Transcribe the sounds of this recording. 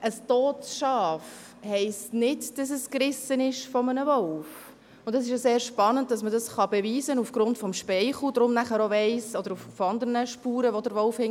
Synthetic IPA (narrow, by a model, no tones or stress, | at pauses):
ʔəstɔːtʃɑːf | hɛɪstnɪtd̥ɑs̬əskrɪsənɪʃfɔmənəvɔlf | ʊndɑs̬ɪʃjaseːɾʃpɑnənd̚d̥ɑsmədɑsχɑbɛviːzənufɡ̥ɾʊntfɔmʃpɛɪχl̩dɾʊmnæχəɾoʋɛɪsɔd̥̪əɾuffɑnd̪əɾnəʃpuːɾəʋɔdəɾʋɔlfhɪŋ